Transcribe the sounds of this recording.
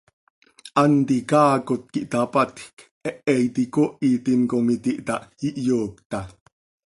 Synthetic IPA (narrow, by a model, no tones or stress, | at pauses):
ʔant̪ikaːkot̪̚kiʔt̪apat̪k | ɛʔɛjt̪ikoʔit̪inkomit̪iʔt̪aʔiʔjoːk̚t̪a